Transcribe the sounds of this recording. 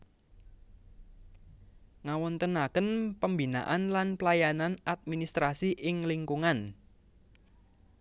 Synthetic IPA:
ŋawɔnt̪ənakənpəmbina̰ʔanlanpəlajananat̪̚minist̪ɾasiʔɪŋliŋkuŋan

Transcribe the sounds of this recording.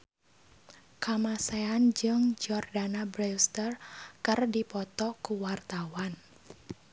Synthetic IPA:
kamaseand͡ʒɨŋd͡ʒɔrdanabɾest̪ərkərdipɔt̪ɔkuwart̪awan

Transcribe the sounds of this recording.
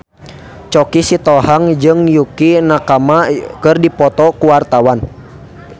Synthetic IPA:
t͡ʃɔkisit̪ɔhaŋd͡ʒɨŋjukinakamakɨrdipɔt̪ɔkuwart̪awan

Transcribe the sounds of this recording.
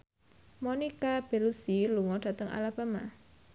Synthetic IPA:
monikab̥elusiluŋɔd̥a̤t̪əŋʔa̰lab̥a̤ma

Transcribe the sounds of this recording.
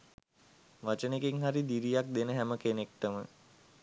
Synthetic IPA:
ʋat͡ʃənekeŋɦaɾid̪iɾijak̚d̪enəɦæməkenek̚ʈəmə

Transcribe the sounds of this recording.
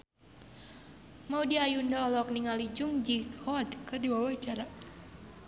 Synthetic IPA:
maudiajundaɔlɔkniŋalid͡ʒʊŋd͡ʒikʰɔdkɨrdiwawaid͡ʒaɾa

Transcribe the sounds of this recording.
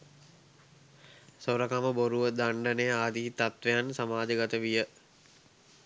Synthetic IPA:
soɾəkaməboɾuʋəd̪aɳɖənejaːd̪iːt̪at̪ʋejansamaːd͡ʒəɡat̪əʋijə

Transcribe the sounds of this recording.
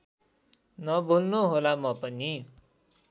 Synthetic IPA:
nʌbʱolnuɦolamʌpʌni

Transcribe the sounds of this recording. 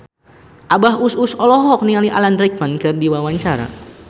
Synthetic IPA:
ʔabaɦususɔlɔɦɔk̚nialiʔalandɾɛk̚mankɨrdiwawaɲt͡ʃaɾa̰

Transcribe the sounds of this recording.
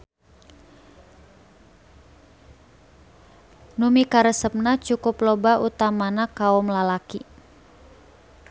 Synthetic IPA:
numikaɾəsəp̚nat͡ʃukʊplɔbaʔut̪amanakaɔmlalaki

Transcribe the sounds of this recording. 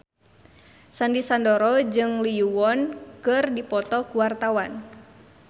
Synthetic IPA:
sandisandɔɾɔd͡ʒɨŋliuwɔnkɨrdipɔt̪ɔkuwart̪awan

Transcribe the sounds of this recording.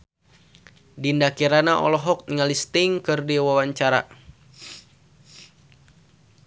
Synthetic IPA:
dindakiɾanaʔɔ̰lɔɦɔk̚niŋalist̪ɪŋkɨrdiwawaɲt͡ʃaɾa̰

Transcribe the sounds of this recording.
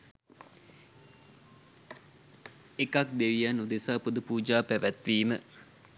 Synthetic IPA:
ekak̚d̪eʋijanːud̪esaːpud̪əpuːd͡ʒaːpæʋæt̪ʋiːmə

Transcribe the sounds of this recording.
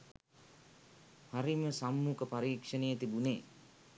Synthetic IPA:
haɾiməsamːukəpaɾiːkʂənejət̪ibuneː

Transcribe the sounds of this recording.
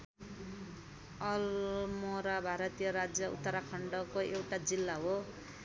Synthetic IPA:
ʌlmoɾabʱaɾʌt̪ijʌɾad͡zjʌṵt̪ːʌɾakʰʌɳɖʌkoʔewʈad͡zilːaɦo

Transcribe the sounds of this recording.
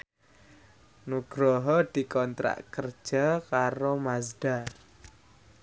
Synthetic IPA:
nuɡ̥ɾɔɦɔd̪̥i̤kɔnt̪ɾa̰ʔkərd̥ʒ̥akaɾomasd̥a

